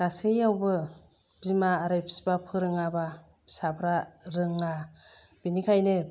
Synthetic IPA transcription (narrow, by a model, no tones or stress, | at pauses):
ɡ̥asɯjawbɯ | b̥imaːɾɯjpsi̥bapʰɯɾɯŋaba | sabɾaɾɯŋla | b̥inikʰajne